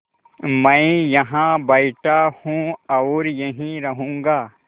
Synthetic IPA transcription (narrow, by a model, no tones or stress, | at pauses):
mɐ̃ĩjɐɦãbɐɪʈahũɐːɾjɐɦĩɾɐɦũːŋɡaː